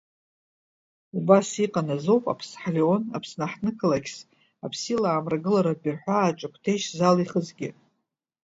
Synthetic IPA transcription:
ubasiqʼanazo̞wpʼa̰pʰsħaleo̞na̰pʰsnaħnɨkʰalakʲʰs | apʰsilaːmraɡɨlaɾabɪrħʷᶣaːt͡ʃʼakʷʰtʰejʃzaliχəzɡʲɪ̰

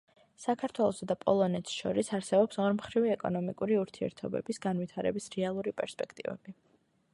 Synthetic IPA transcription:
sakʰaɾt̪ʰwɛlˠɔsad̪apʼɔlˠɔnɛt̪sʃɔ̰ɾisaɾsɛbɔpsɔɾmχɾivɛkʼɔnɔmikʼuɾiuɾt̪ʰiɛ̰ɾt̪ʰɔbɛ̰bisɡanvwit̪ʰaɾɛbisɾɛalˠuɾipʼɛɾspʼɛkʰt̪ʼivɛ̰bi

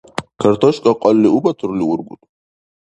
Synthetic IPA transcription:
kʰaɾt̪ʰɔʃkʼaqʼɔlːiubat̪ʰuɾliuɾɡṵt̪ʼ

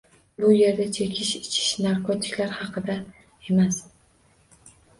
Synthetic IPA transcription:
bʊje̞ɾd̪at͡ʃʰe̞kʲʰɪʃɪ̥t͡ʃʰɪ̥ʃnaɾkʰot̪ʰɪ̥kʲlaɾhɑqʰɨd̪a | e̞mas

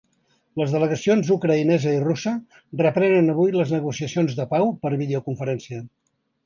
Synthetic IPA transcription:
ləzðələɣəsionzukɾəinɛzəirusə | rəpɾɛnənəβujləznəɣusiəsionzðəpawpəɾβiðeukuɱfəɾɛnsiə

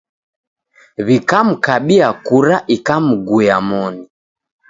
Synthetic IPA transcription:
βikam̩kaɓiakuɾaʔikamuɡujamɔni

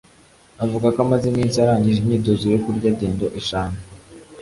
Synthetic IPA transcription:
avuɡakamazimiːnt͡siaɾaːɲɟiʒimɲiːdoziɾokuɾɟaɟe̞ːndoʔeʃaːna

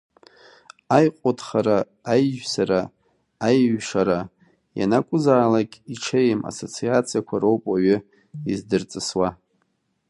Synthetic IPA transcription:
ajqʼotχaɾaː | jʒᶣsaɾaː | jɥʂaɾa | ja̰nakʷʼʊzaːlakʲʼiʈ͡ʂʰejmʔa̰so̞t͡sʰiat͡sʰijakʷʰaɾowpʼaɥʏ | izdɨrt͡sʼɨswa

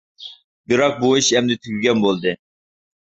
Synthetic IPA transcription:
bɨɾɑq̚buiʃɛmd̪ɪt̪ʰyɡʲyɡʲɛnbolˠd̪ɨ

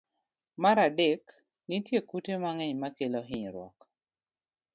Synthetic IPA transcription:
maɾadɛk | nitjekutemaŋɛɲmakeloɦɪɲɾwɔ̰k

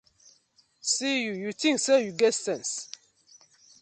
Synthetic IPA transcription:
sijujutĩŋsɛjuɡɛsɛ̃ns

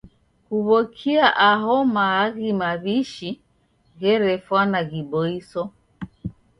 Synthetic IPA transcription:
kuβɔkʰiaʔaɦɔmaːɣimaβiʃi | ɣɛɾɛfwanaɣiɓɔisɔ

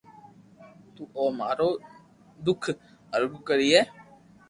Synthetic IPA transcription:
t̪uːʔoːmaːɾoː | d̪ʊkʰ | əɾɡukəɾiːɛː

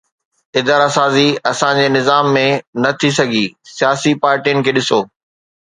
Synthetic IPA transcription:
ɪd̪aːɾasaːziɐsãd͡ʑeːnɪzaːmːẽnɐt̪ʰis̬ɐɡʱisijaːsipaːɾʈijʊnɪ̆kʰeːɗɪsoː

